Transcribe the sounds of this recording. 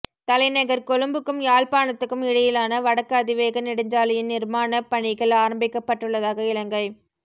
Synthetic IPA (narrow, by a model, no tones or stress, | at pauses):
t̪ɐlɐɪnɐɣɐɾkɔɻɯmbɯkːɯmjaːlpaːɳɐt̪ːɯkːɯmɪɽɐjɪlaːnɐʋɐɽɐkːɐːðɪʋeːɣɐnɪɽɯɲd͡ʒaːlɐjɪnnɪɾmaːnɐpɐɳɪɣɐɭaːɾɐmbɪkːɐpːɐʈːɯɭːɐðaːɣɐɪlɐŋɡɐɪ